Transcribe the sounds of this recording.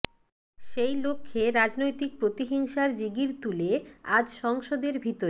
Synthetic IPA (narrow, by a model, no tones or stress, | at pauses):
ʃejlokʰːeɾad͡ʑnojt̪ik̚pɾot̪iɦiŋʃaɾd͡ʑiɡiɾt̪ulead͡ʑʃɔŋʃod̪eɾbʱit̪oɾe